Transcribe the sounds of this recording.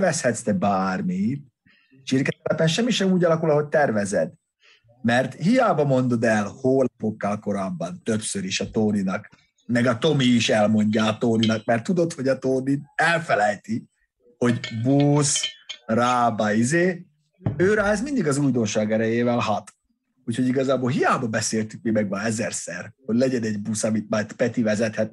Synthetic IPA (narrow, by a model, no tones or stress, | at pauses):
vɛshɛt̪st̪ɛbaːrmit̪ | ʃirkɛt̪ɛlɛpɛnʃɛmːiʃɛmuːɟɒlɒkulɒɦo̞c̚t̪ɛrvɛzɛd̪ | mɛrt̪hijaːbɒmo̞n̪d̪o̞d̪ɛlhoːlpokːalko̞ɾaːbːɒnt̪ø̞psøɾiʃɒt̪oːninɒk | mɛɡɒt̪o̞miːʃɛlmo̞ɲɟaːt̪oːninɒk̚mɛrt̪ːud̪o̞t̪ho̞ɟɒt̪oːniɛlfɛlɛjt̪i | ho̞ɟbuːsraːbɒizeː | øːɾaːzmind̪iɡɒzuːjd̪o̞nʃaːɡɛɾɛjeːvɛlɦɒt̪ | ucho̞ɟiɡɒzaːbolɦijaːbɒbɛseːlt̪ykmimɛɡʋɒɛzɛrsɛrhoɟlɛɟɛnɛɟbusɒmit̪̚mɒjt̪pɛt̪ivɛzɛt̪hɛt̪̚